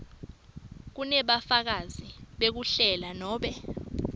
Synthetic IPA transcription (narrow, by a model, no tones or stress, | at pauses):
k̬unɛɓafak̬aziɓek̬uɬɛlanɔːɓɛ